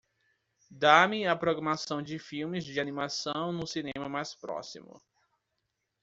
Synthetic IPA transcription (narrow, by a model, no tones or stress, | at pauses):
d̪amɪapɾoɡɾamasɐ̃w̃d͡ʒɪfiwmɪzd͡ʒɪanimasɐ̃w̃nʊsinẽmɐmajspɾɔ̰sḭmʊ̰